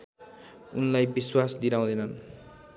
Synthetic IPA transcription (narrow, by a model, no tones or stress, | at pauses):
unlajbiswasd̪iɾaw̃d̪ʌjnʌn